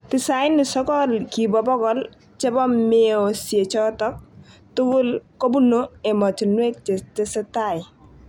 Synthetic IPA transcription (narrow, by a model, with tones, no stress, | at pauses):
tɪ˨sa˨ɪ˦nːɪ˨sɔ˦kɔlki˨bɔ˨bɔ˦kɔ˦l | t͡ʃɛ˦bɔ˦meo˨sje˨t͡ʃɔ˦tɔ˦k̚tʊ˦ɡʊ˦lko˦bu˦no˦e˨ma˨ti˨nwe˦k̚t͡ʃɪ˨stɪ˦sɪ˦ta˨j